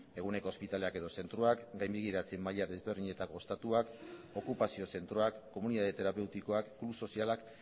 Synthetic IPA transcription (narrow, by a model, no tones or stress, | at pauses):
eɣ̞une̞ko̞ːspit̪ale̞ake̞ðo̞se̞nt̪ɾuakɡajmbiɣ̞iɾat͡semːaʎaðe̞zβe̞ɾðiɲe̞t̪ako̞est̪at̪uak | o̞kupasio̞se̞nt̪ɾo̞akːo̞muniðaðet̪e̞ɾape̞wt̪iko̞akːluso̞sialak